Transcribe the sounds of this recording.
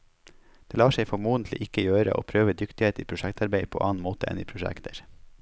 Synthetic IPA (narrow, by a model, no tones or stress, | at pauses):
d̪̥eːlɑːʃeɪfɔmuːənt̪ʰl̩ɪ̰ʔɪkəjøːɾə̰ʔo̰ːpʰɾøːʋəd̪ʏkt̪ɪheːt̪iːpʰɾʊʃækt̪ɑɾbeɪpʰo̰ːʔɑːn̩moːt̪əʔɛ̰niːpʰɾʊʃæ̰kt̪ʰəɾ